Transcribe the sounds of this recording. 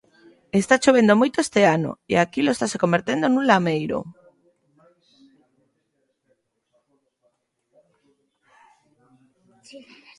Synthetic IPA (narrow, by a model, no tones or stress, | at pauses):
est̪at͡ʃoβ̞end̪omojt̪oest̪eano̰ḛakiloest̪asekombeɾt̪end̪onũnlamejɾo̰